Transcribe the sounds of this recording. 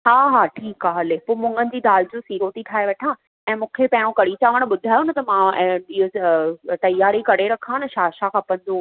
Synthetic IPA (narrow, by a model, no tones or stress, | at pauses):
ɦaːɦaʈʰiːkaːɦɐlepoːmʊ̃ŋɡənɪ̆d͡ʑiːd̪aːld͡ʑũsiːɾot̪iʈʰaːeʋɐʈʰãː | ɛ̃ːmũːkʰepɐ̃ɦɪɽ̃õkɐɽit͡ɕaːʋəɽ̃ɓʊd̪ʱaːjonɐt̪ɐmãɪɦot̪ɐjaːɾikɐɽeɾɐkʰãːnɐʃaːʃakʰãːpɐ̃n̆d̪o